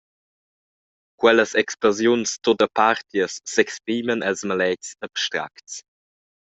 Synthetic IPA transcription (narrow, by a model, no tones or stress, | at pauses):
kwɛləsɛksplozjunst̪odəpaɾt̪jəsːɛkspɾiːmənɛlsmalɛcsəbstɾa̰kts